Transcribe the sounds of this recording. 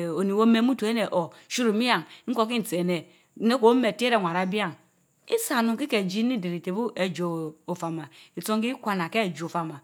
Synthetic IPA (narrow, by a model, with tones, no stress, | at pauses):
o˨ni˨wo˦me˦mu˦to˨e˦ne˨ʔo˨ | ʃu˦ɾu˨mi˦ja˨ŋŋ̩˦ko˦k̬i˦n̩˨t͡se˨ne˨˦ | ne˦ko˨˦me˨te˦ɾe˦˨ŋʷa˨ɾa˨˦bi˦a˦˨ŋ | ḭ˦sa˨nu˨ŋki˦ke˨d͡ʒi˦ni˦˨di˨ɾi˨te˨bu˦ʔe˨d͡ʒo˨o˨fa˨ma˨i˨t͡so˦ŋ˦ki˦kʷa˨na˨ke˦˨d͡ʒo˨fa˨ma˨